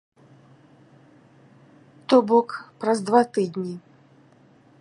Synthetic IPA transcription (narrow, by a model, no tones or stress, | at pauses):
t̪ɔbɔkpɾɐzd̪vat̪ɨd̪ʲnʲi